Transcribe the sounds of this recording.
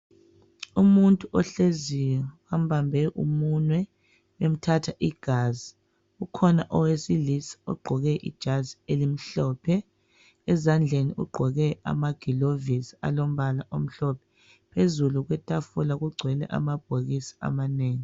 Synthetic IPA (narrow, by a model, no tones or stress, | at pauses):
umuntʼuʔɔɬezijɔwam̩bambʱɛʔṵmunwɛ | wem̩tʰatʰaʔiɡ̥ʱaːzi | ɣukʰɔnaʔɔwesilisḁɔ̰ɡ͡ǃʱɔɣɛʔḭd̥ʒ̥ʱazielim̩ɬɔːpʰɛː | zand͡ɮʱeniṵɡ͡ǃʱɔɣɛa̰maɡ̥ʱilovisia̰lom̩βalaʔom̩ɬɔpʰɛ̥ | pʰezuluɣwɛtʼafulaɣuɡ͡ǀʱwɛlɛ̰ʔa̰mab̥̚ʱoɣisi̥a̰maneːŋi